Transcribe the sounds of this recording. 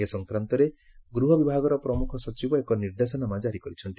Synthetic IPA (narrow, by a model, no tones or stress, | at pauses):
esɔŋkɾant̪ɔɾe | ɡɾuɦɔbibʱaɡɔɾɔpɾɔmukʰɔsɔt͡ʃibɔekɔniɾd̪esɔnamad͡ʒaɾikɔɾit͡ʃʰɔnt̪